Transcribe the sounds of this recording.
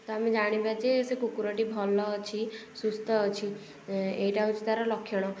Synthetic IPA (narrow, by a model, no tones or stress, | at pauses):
t̪ɔamed͡ʒaɽ̃ibat͡ʃʰesekukuɾɔʈibʱɔlːɔt͡ʃʰisust̪ɔːt͡ʃʰi | ejʈaɦut͡ʃʰi̥t̪aɾɔlɔkʰːjɔɽ̃ɔ